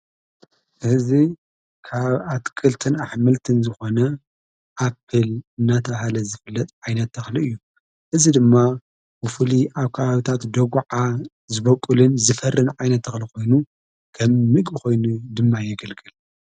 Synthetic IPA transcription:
ʔɨzi | kʰaβat̪kʰʼɨlt̪ʰɨnaħmɨlt̪ʰɨnzɨxo̞nɐ | ʔapʰːɨlɨnːat̪ʰɐβahalɐzɨfɨlːɐt̪ʼʕajnɐt̪ːɐxliɨjːu | ʔɨzid̪ɨmːa | bɨfuliʔaβkʰɐβaβit̪ʰat̪d̪oɡʷʕa | zɨβɐkʼulɨnzɨfɐrːɨnʕajnɐt̪ːɐxliko̞jnu | kʰɐmːɨɡʼɨko̞jnud̪ɨmːajɪɡɐlɡɨl

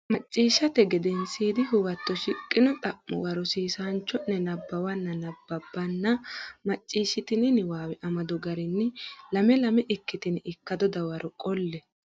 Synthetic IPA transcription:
mɐt͡ʃʼːiːʃːɐt̪ɛɡɛd̪ɛnsiːd̪ɪɦʊwɐt̪ːɔʃɪkʼːɪnɔt̪ʼɐʔːɔ̰wɐɾɔsiːsaːnt͡ʃːɔnːɛnɐbːɐwɐnːɐnɐbːɐbːɐnːɐmɐt͡ʃʼːiːʃɪt̪ɪnɪnɪwaːwɛʔɐmɐd̪ɔɡɐɾɪnːɪlɐmɛlɐmɛʔɪkːɪt̪ɪnɪɪkːɐd̪ɔd̪ɐwɐɾʔɔkʼɔlːɛ

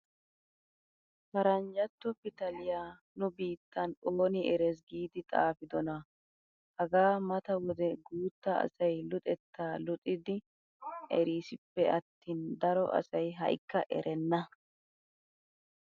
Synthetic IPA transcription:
fɐɾɐnd͡ʒɐt̪ːɔpɪt̪ɐlɪjaː | nʊbiːt̪ːɐnoːnɪɛɾɛs̬ɡiːd̪ɪt̪ʼa̰ːfɪd̪ɔnɐ | hɐɡaːmɐt̪ɐwɔd̪ɛɡuːt̪ːɐɐ̰sɐjlʊt̪ʼɛt̪ːaːlʊt̪ʼɪd̪ɪ | ʔɛɾiːsɪpːɛʔɐt̪ːiːnd̪ɐɾɔʔɐ̰sɐjɦɐ̰jɪkːɐʔɛ̰ɾʔɛnːɐ

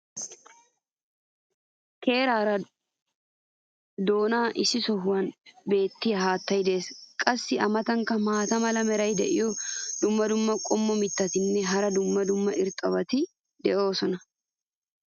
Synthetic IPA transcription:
kʰe̞ːɾaːɾɐ | d̪o̞ːnaːʔɪsːɪsɔɦʊwɐnbe̞ːt̪ːɪjɐɦaːt̪ːɐjd̪eːskʼɐsːɪɐmɐt̪ɐŋkɐmaːt̪ɐmɐlɐmɛɾɐjd̪ɛʔɪjɔd̪ʊmːɐd̪ʊmːɐkʼɔmːɔmɪt̪ːɐt̪ɪnːɛɦɐɾɐd̪ʊmːɐd̪ʊmːɐʔɪɾt̪ʼɐbɐt̪ɪ | d̪ɛʔo̞ːsɔnɐ

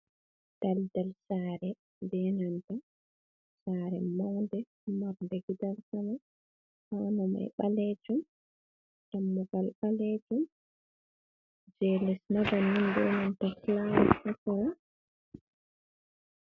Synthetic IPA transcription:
d̥aldalsaːɾɛ | ndɛnantɔ | saːɾɛmɔːndɛ | maɾndɛɡidalkama | hanɔma̰jɓalɛd͡ʒum | d͡ʒamːuɡalɓaled͡ʒum | d͡ʒɛlɛsnabanːundɛnantɔklawɛʔatɔɾa

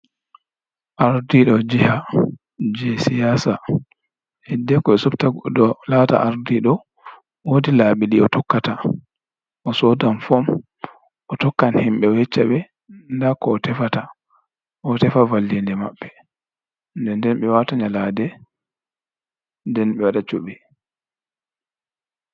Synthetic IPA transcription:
ʔaɾdiɗɔd͡ʒiha | d͡ʒɛsijasa | hɛdːɛkɔɛsuftadɔlata̰ʔaɾdiɗɔ | wodilaːɓiliɔtɔkːata | ʔɔsɔdanfɔm | ʔɔtɔkːanhimɓɛɔhɛt͡ʃːaɓɛ | ndakɔːtɛfata | ɔtɛfavalːindɛma̰ɓːɛ | ndɛndɛnɓɛwataɲaladɛ | ndɛnɓɛwaɗat͡ʃuɓɛ

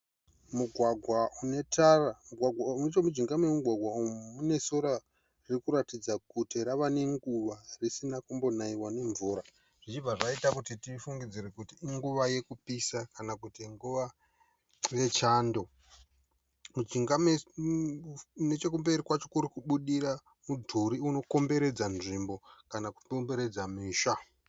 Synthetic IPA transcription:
muɡʱwaɡʱwaune̞tʰaramuɡʱwaɡʱwait͡ʃomud͡ʒiŋɡamewemuɡʱwaɡʱwaummune̞so̞ɾa | riikuɾatid͡zakutiɾaʋaneŋɡuʋarisinakumbo̞naiwane̞ɱvuːɾa | ʐ̥it͡ʃivaʐaitakutitifuŋɡid͡ziɾekutiːŋɡuʋaje̞kupisakanakutiŋɡuʋa | je̞t͡ʃaːndo̞ | mud͡ʒiŋɡame | ne̞t͡ʃe̞kumbeɾikwat͡ʃo̞kuɾikuɓuɗiɾa | mudʱuɾiuno̞ko̞mbe̞ɾe̞d͡zanʐimbo̞kanakuombe̞ɾe̞d͡zamiːʃa

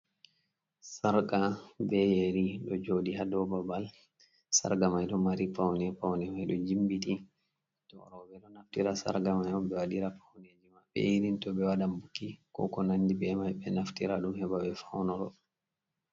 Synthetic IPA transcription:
saɾkabɛjeɾiɗɔd͡ʒodiɦadɔbabal | sa̰ɾɡamajɗɔmaɾipawnɛpawnɛmajɗɔ̰d͡ʒimbiti | tɔɾɔɓɛɗɔnaftiɾasa̰ɾɡamajɔmbɛwaɗiɾapʰawned͡ʒimaɓɛ̰jiɾintɔbɛwaɗambukːikɔ̰kɔnanːdibɛmajbɛnaftiɾaɗumhɛbabɛfawnɔɾɔ

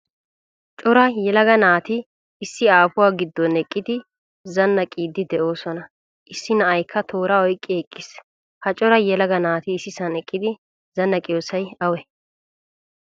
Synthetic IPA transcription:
t͡ʃʼɔɾɐjɛlɐɡɐnaːt̪ɪː | sːɪaːfʊwaːɡɪd̪ːɔnɛkʼːɪd̪ɪ | zɐnːɐkʼiːd̪ːɪd̪ɛʔo̞ːsɔnɐ | ʔɪsːɪnɐʔɐjkʰːɐt̪ʰo̞ːɾɐɔjkʼːɪɛkʼːɪs | hɐt͡ʃʼɔɾɐjɛlɐɡɐnaːt̪ɪːsːɪsɐnɛkʼːɪd̪ɪ | zɐnːɐkʼɪjoːsɐjɐwɛ

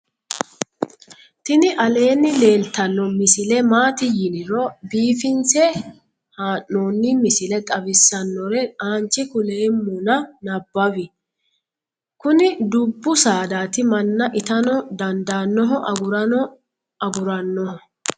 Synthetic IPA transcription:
t̪ɪnɪʔɐle̞ːnːɪle̞ːlt̪ːɐnːɔmɪsɪlɛmaːt̪ɪjɪnɪɾɔbiːfɪnt͡sɛ | haːnːoːnːɪmɪsɪlɛt̪ʼɐbɪsːɐnːɔɾɛaːnt͡ʃːɪkʊleːmːʊnɐnɐbːɐwɪ | kʊnɪd̪ʊbːʊsaːd̪aːt̪ɪmɐnːɐʔɪt̪ɐnɔd̪ɐnd̪aːnːɔɦɔʔɐɡʊɾɐ | ɐɡʊɾɐnːɔhɔ

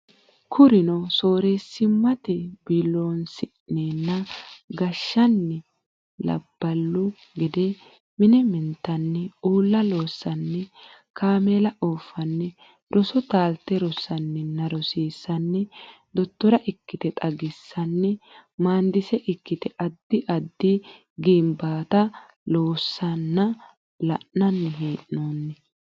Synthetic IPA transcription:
kʰʊɾɪnɔso̞ːɾeːsːɪmːɐt̪ɛbɪlːoːnsɪ | neːnːɐɡɐʃːɐnːɪ | lɐ̰b̥ːɐlːʊ | ɡɪd̪ɛ | mɪnɛmɪnt̪ːɐnːɛuːlːɐlo̞ːsːɐnːɛ | kʰaːmelɐʔoːfːɐnːɛ | ɾʔɔsɔt̪aːlt̪ːɛɾɔsːɐnːɪnːɐɾɔsiːsːɐnːɛ | d̪ɔt̪ːɔɾɐʔɪkːɪt̪ɛt̪ʼɐɡɪsːɐnːɛmaːnd̪ɪsɛʔɪkːɪt̪ɛʔɐd̪ːɪʔɐd̪ːɪ | ɡɪmbaːt̪ɐ | loːsːɐnːɐ | lɐ̰ʔnɐnːɪɦeːʔnoːnːɛ

